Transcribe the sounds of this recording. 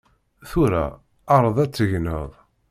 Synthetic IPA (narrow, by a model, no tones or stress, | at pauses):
θuɾæ̰ | ɑɾˤəðˤæt͡sːəʝnə̰ðˤ